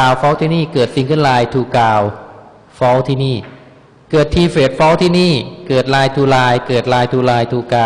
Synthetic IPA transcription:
kaː˧wfɔː˦˥wt̪ʰiː˥˩niː˥˩kɤː˨˩t̪̚si˧ŋkʰɯ˥˩nlaː˧jt̪ʰuː˨˩kaː˧w | fɔː˦˥wt̪ʰiː˥˩niː˥˩ | kɤː˨˩t̪ʰːiː˧feː˨˩t̪̚fɔː˦˥wt̪ʰiː˥˩niː˥˩kɤː˨˩t̪̚laː˧jt̪ʰuː˧laː˧jkɤː˨˩t̪̚laː˧jt̪ʰuː˧laː˧jt̪ʰuː˧˩kaː˧

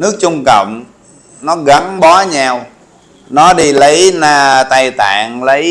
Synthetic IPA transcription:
nɨ˦˥ək̚t͡ɕʊ˧ŋ͡mkə̰˧˨wŋ͡m | nɔ˨˦ɣa˨˦ŋɓɔ˨˦ɲaː˧w | nɔ˨˦ɗi˧lə˨˦jnaː˧t̪a˧jt̪a̰ː˧˨ŋlə˨˦j

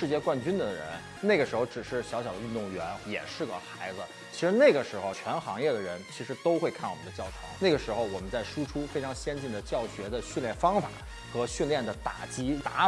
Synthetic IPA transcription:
ʂɻ̩˥˧t͡ɕjɛ˥˧kwa˥˩nt͡ɕy˥nd̪ə˨ɻə̰˧˥n | ne˥˩ɪɡə˩ʂɻ̩˧˥xo˧ʊʈ͡ʂɻ̩˨˩ʂɻ̩˥˩ɕjɑ˧˥ʊɕjɑ˨˩ʊd̪ə˦y˥˧nt̪ʊ˥˩ŋɥɛ˧˥njɛ̰˨˩ʂɻ̩˥˩ɡə̰˩xa˧˥ɪd͡zə˧ | t͡ɕʰi˧˥ʂɻ̩˧˥ne˥˩ɡə˩ʂɻ̩˧˥xo˧ʊt͡ɕʰɥɛ˧˥nxɑ˧˥ŋjɛ˥˩d̪ə˩ɻə˧˥nt͡ɕʰi˧˥ʂɻ̩˧˥t̪o˥ʊxwe˥˧ɪkʰa˥˩nwmə˦nd̪t͡ɕjɑ˥˩ʊʈ͡ʂʰɑ̰˧˥ŋne˥˩ɡə˩ʂɻ̩˧˥xo˧ʊwɔ˨˩mə˦nt͡sa˥˩ɪʂu˥ʈ͡ʂʰu˥fe˥ɪʈ͡ʂʰɑ˧˥ŋɕjɛ˥nt͡ɕi˥˩nd̪ə˩t͡ɕjɑ˥˩ʊɕɥɛ˧˥d̪ə˧ɕy˥˧nljɛ˥˩nfɑ˥ŋfa̰˨˩˦ | xɤ˧˥ɕy˥˧nljɛ˥˩nd̪ə˩t̪a̰˨˩t͡ɕi˥t̪a˧˥

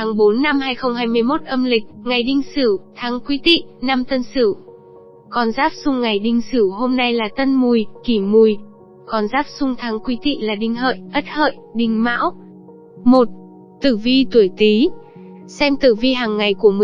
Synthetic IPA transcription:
t̪ʰaː˨˦ŋɓo˨˦nːa˧mhaː˧jxə˧wŋ͡mhaː˧jmɨ˧əjmo˦˥t̚ʔə˧mlï˨˩k̟̚ŋa˨˩jɗï˧ŋ̟sɨ˧˩t̪ʰaː˨˦ŋkwi˨˦t̪ḭ˧˨na˧mt̪ə˧nsɨ˧˩ | kɔ˧nzaː˦˥p̚sʊ˧ŋ͡mŋa˨˩jɗï˧ŋ̟sɨ˧˩ɦo˧mna˧jlaː˨˩t̪ə˧nmu˨˩jki˧˩mu˨˩j | kɔ˨˧nzaː˦˥p̚sʊ˧ŋ͡mt̪ʰaː˨˦ŋkwi˨˦t̪ḭ˧˨laː˨˩ɗï˧ŋ̟ɦə̰ː˧˨jʔə˦˥t̚hə̰ː˧˨jɗï˨˩ŋ̟ma̰ː˧˥w | mo˨˩t̚ | t̪ɨ˧˩vi˧t̪u˧˩əjt̪i˨˦ | sɛ˧mt̪ɨ˧˩vi˧ɦaː˨˩ŋːa˨˩jku˧˩əmɨ˨

